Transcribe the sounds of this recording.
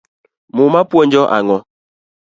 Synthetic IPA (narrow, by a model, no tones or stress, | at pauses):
mumapuɔnd͡ʒɔʔa̰ŋɔ